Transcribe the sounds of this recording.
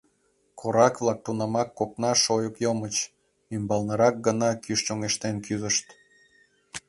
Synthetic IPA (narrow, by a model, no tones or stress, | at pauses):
kʰoɾɑkβlɑk̚t̪unɑmɑkːopnɑʃojəkjomət͡ɕ | ymbɑlnəɾɑk̚ɡənɑkyʃt͡ɕoŋeʃt̪enkyzəʃt̪